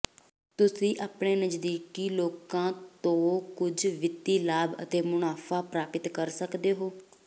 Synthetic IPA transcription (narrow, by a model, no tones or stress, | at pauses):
t̪ʊsĩːʔaːpɳeːnəd͡ʒd̪iːkiːloːkãːt̪õːkʊd͡ʒʋɪt̪ːiːlaːbə̰t̪eːmʊnaːfʰaːpɾaːpɪt̪kəɾsəkd̪eːɦoː